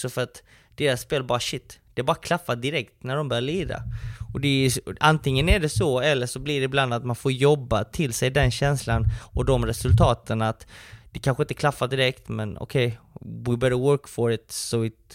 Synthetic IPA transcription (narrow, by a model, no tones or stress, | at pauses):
sɔfœɾat̪ | d̪̥eːɾasːpeːlbɑːɾaɕɪt̪ːd̪̥ɛæbɑːɾakʰlafːad̪ɪɾɛkt̪næɖɔmbœːjaɭiːɾa̰ɔd̪ɛæant̪ɪŋːənæɖɛsɔɛlːəʂɔblɪɖɛɪbland̪at̪manfoːɾjɔbːat̪ʰɪlsɛjd̪ɛnɕɛnslanɔd̪ɔmɾɛsɵlt̪ʰɑːt̪ənat̪d̪̥ɛkʰanɧəɪnt̪əkʰlafːad̪ɪɾɛkt̪mɛnɔ̰kʰɛjwɪbɛɾəwœɾkfɔɾɪt̪sɔɪt̪